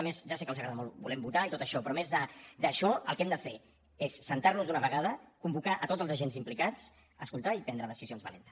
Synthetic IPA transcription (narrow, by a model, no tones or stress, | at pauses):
əmezʒasɛkəlzəɣɾaðamɔlˠbulɛmbut̪ait̪ot̪əʃɔpɾɔmezðəd̪əʃɔə̰lˠkɛmd̪əfe | esːənt̪aɾrnuzðunəβəɣað̞əkumbukaʔət̪odd͡zəlˠzəʒenzimplikat͡s | əskulˠt̪aipɛnd̪ɾəðəsizionzβə̰lḛnt̪ə̥